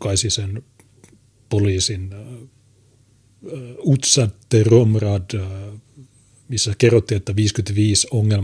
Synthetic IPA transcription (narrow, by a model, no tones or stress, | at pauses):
kɑisisen | poliːsin | ut̪sɑt̪eromrɑd | misːækerːot̪ːiet̪ːæʋiːskyt̪ʋiːsoŋːel